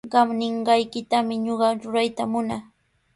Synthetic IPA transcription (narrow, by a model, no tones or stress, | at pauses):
ɢɑmnɪɴɢɑjkɪt̪amɪɲoɢɑɾʊɾajt̪amʊna